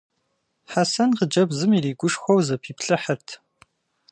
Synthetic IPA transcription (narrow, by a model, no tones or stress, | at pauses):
ħasɐnqəd͡ʒɐbzɨmiriːɡʷʊʂxʷɔwzɐpʰiːpɬɨħərtʰ